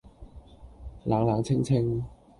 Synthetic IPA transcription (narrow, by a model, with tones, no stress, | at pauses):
laː˨˧ŋlaː˨˧ŋt͡sʰɪ˥ŋt͡sʰɪ˥ŋ